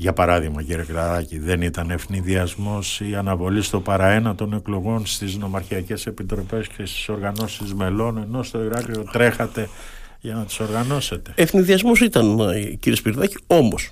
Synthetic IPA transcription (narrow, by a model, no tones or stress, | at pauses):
ʝɐpɐɾɐðiɣmɐciɾiekɾɐðɐciðe̞nit̪ɐnefniðiɐzmo̞siɐnɐvo̞list̪o̞pɐɾɐe̞nɐt̪o̞ne̞klo̞ɣo̞nst̪izno̞mɐɾçiɐce̞se̞pit̪ɾo̞pe̞sce̞st̪i̥so̞ɾɣɐno̞sizme̞lo̞ne̞no̞st̪o̞iɾɐkɾiot̪ɾe̞xɐt̪e̞ | ʝɐnɐt̪i̥so̞ɾɣɐno̞se̞t̪e̞eθniðiɐzmosit̪ɐnciɾiespiɾðɐcio̞mos